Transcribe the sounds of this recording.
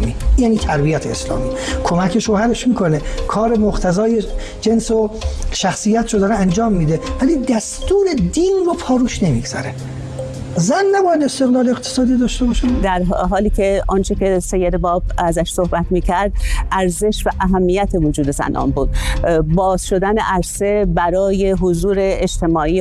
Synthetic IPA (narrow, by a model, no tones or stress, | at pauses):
mijæniːt̪ʰæɾbijæt̪ʰeeslɒ̰ːmiːkʰomæcʰeʃoːhæɾe̞ʃmiːkʰo̞nekʰɒːɾemoqt̪ʰæzɒːje | d͡ʒe̞nsoʃæxsijæt̪ɾod̪ɒːɾeænd͡ʒɒːmːiːd̪evælid̪æst̪uːɾe̞d̪iːnropʰɒːɾuːʃne̞mḭɡz̥æ̰ɾe | zænːæbɒːjæd̪e̞st̪eɣlɒːleeqt̪ʰesɒːd̪id̪ɒːʃt̪ebɒːʃed̪æɾɦɒːliːcʰe̞ʔɒnt͡ʃʰece̞se̞jːed̪ebɒːbæzæʃso̞hbæt̪miːcʰæɾd̪ʔæɾze̞ʃvæʔæɦæmːijæt̪ʰe̞vod͡ʒuːd̪ezæ̰nʔɒ̰ːnbuːd̪̥̚bɒːz̥ʃo̞d̪æneʔæɾse̞bæɾɒːje̞ɦozuːɾe̞ːd͡ʒt̪ʰe̞mɒːiː